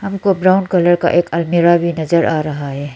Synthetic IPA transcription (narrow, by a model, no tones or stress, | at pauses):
ɦɐmkobɾaːʊnɖkɐləɾka̰ʔeːkɐlmiɾabʱinɐzəɾʔaːɾɐɦaɦɛː